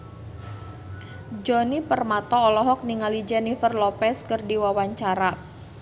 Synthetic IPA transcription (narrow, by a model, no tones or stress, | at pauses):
d͡ʒɔnipərmat̪ɔːlɔɦɔk̚niŋalid͡ʒɛnifərlɔpɛskərdiwawaɲt͡ʃaɾa